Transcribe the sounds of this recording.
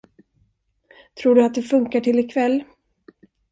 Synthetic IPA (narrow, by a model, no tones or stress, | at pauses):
t̪ʰɾuːɖɵat̪̚d̪ɛfɵŋkaʈʰɪlːɪkʰvɛlː